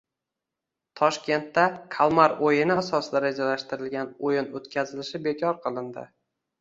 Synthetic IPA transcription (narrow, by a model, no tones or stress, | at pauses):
t̪ʰɒʃkʲe̞nt̪ːakʰalˠmaɾojɪnɪasɒsd̪aɾad͡ʒalaʃt̪ɪɾɪlɡʲanojɪnot̪kʲʰazɪlɪʃɪbe̞kʲʰɒɾqʰɨlˠɪnd̪ɪ̰